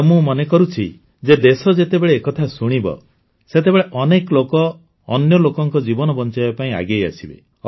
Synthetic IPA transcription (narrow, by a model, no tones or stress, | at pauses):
mũmɔnekɔɾut͡ʃʰḭ | d͡ʒed̪esɔd͡ʒet̪ebeɭeːkɔt̪ʰasuɽ̃ibɔ̰ | set̪̬ebeɭeʔɔnekɔlokɔː | njɔlokɔŋkɔd͡ʒibɔnɔbɔnt͡ʃajapaĩa̰ɡeja̰sibḛ